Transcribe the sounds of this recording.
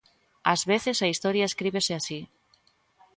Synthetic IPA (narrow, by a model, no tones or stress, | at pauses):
azβeθesaist̪oɾjaeskɾiβeseasi